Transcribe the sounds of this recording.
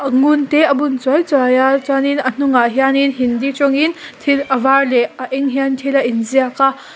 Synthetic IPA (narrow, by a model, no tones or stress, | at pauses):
ɐŋunteɐbunt͡sɔjt͡sɔjat͡saninɐn̥uŋaɦijaninɦindit͡ʃɔŋintʰilɐvaɾleɐʔɛŋɦiantʰilaʔinziaka